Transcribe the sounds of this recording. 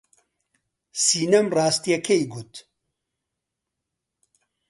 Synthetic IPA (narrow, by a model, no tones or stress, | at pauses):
siːnɐmraːst̪ijɛkʰejɡut̪